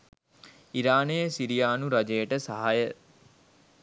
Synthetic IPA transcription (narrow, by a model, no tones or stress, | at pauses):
iɾaːnejsiɾijaːnuɾad͡ʒejəʈəsaɦajə